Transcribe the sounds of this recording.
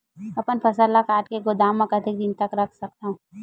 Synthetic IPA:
ɐpənpʰɐsəlːakaːʈkeɡʊd̪aːmːɐkət̪ʰik̚d̪ɪnt̪ɐkɾɐkʰsɐk̚t̪aɦũː

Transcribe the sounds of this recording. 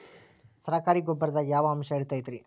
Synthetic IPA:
sɐɾɐkaːɾiɡobːɐɾɐd̪ɐjaːʋɐːmʃɐiɽt̪aːjt̪iɾi

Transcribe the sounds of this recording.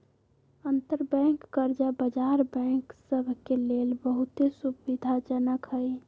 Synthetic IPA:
ənt̪əɾbɛ̃ːŋkːəɾd͡ʒabəd͡ʒaːɾbɛ̃ŋksəbʱkeleːlbəɦʊt̪esubid̪ʱad͡ʒənəkɦəi

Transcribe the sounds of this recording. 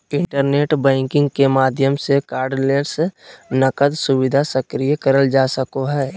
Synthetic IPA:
ɪ̃ɳʈəɾneːʈbɛ̃ːŋkɪ̃ŋɡ̚kemaːd̪ʱjəmsekaːɾɖleːɾsnəkəd̪sʊwɪd̪ʱasəkɾijəkəɾəld͡ʒaːsəkoɦɛː

